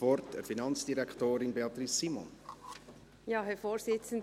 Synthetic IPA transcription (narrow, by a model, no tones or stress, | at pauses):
vɔrtəfinɑnt͡sd̥iɾækχtoːɾinbeɑt̪ɾisːimɔ̰n | jɑːɦɛfoːɾsɪt͡sən̩